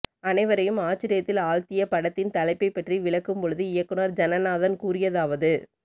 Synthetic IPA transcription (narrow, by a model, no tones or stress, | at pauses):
ɐnɐɪʋɐɾɐjɯmaːt͡ʃːɪɾɪjɐt̪ːɪlaːlt̪ɪjɐpɐɽɐt̪ːɪnt̪ɐlɐɪpːɐɪpːɐʈriʋɪɭɐkːɯmpɔɻɯðɯɪjɐkːɯnɐɾd͡ʒɐnɐnaːðɐnkuːɾɪjɐðaːʋɐðɯ